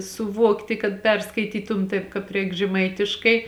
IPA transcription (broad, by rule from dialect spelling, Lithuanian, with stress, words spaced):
sʊˈʋuɔktʲɪ kɐt ˈpʲɛrskɐɪtʲiːtʊm ˈtɐɪp kɑːp ˈrʲɛɪk ʒʲɛˈmɐɪtʲɪʃkɐɪ